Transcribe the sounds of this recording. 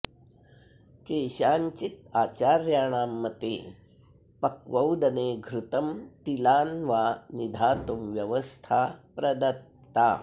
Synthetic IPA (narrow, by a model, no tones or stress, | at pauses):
keːʃaːɲt͡ʃit̪aːt͡ʃaːɾjaːɳaːmːɐt̪ḛː | pɐkʋɐwd̪ɐneːɡʱɾut̪ɐmt̪ilaːnʋaːnid̪ʱaːt̪umʋjɐʋɐst̪ʰaːpɾɐd̪ɐt̪ːaː